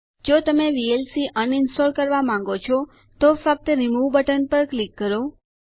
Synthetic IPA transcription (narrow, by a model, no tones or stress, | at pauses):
d͡ʒot̪əmeʋielsiʔənɪnsʈoɾkəɾʋamãŋɡot͡ʃʰɔ | t̪ofək̚t̪əɾimuʋbəʈənpəɾklikːəɾo